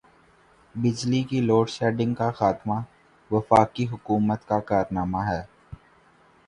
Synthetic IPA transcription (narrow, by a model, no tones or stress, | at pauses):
bɪd͡ʒlikiloːɖsɛːɖɪ̃ŋɡkaxaːt̪ma | ʋɐfaːkiɦʊkuːmət̪kakaːɾnaːmaɦɛː